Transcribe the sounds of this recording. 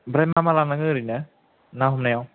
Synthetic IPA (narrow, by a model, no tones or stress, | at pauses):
bɾajmamalanaŋɯɾina | naɦumnajaw